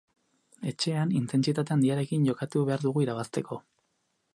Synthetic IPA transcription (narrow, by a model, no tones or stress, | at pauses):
e̞t͡ʃe̞anint̪e̞nt͡sit̪at̪̬e̞and̪iaɾe̞kiɲʝo̞kat̪uβe̞aɾðuɣuiɾaβast̪e̞kʰo̞